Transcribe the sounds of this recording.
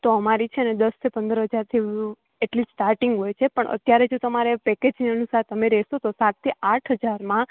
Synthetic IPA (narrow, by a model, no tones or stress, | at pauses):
t̪oəmaɾit͡ʃʰeəned̪əst̪ʰipənd̪əɾɦəd͡ʒaɾt̪ʰiũ | eʈlisʈaɾʈɪŋɡɦojt͡ʃʰepəɳʔə̰t̪jaɾed͡ʒot̪əmaɾepɛked͡ʒniənusaɾt̪əmeɾɛsot̪osat̪̚t̪ːiʔaʈʰɦəd͡ʒaɾmã